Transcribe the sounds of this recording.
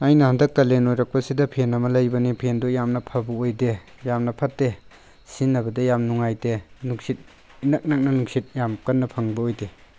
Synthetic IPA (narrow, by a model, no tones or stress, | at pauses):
ajnɐhɐndɐk̚tɐlenojɾɐk̚pɐsidɐpʰenɐmɐlɐjbɐnipʰendojamnɐpʰɐbɐojde | jamnɐpʰɐtːe | sinːɐbɐdɐjamnuŋajdenuksit̚ | inɐk̚nɐk̚nɐnuksit̚jamkɐnːɐpʰɐŋbɐojde